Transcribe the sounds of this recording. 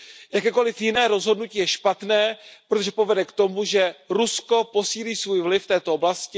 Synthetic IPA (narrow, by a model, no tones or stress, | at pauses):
jakɛːko̞lɪfjɪnɛːɾo̞zɦo̞dnuciːjɛʃpat̪nɛːpɾot̪oʒɛpo̞vɛdɛkt̪o̞muʒɛɾusko̞po̞siːliːsvuːjvlɪfːt̪ɛːt̪ooblascɪ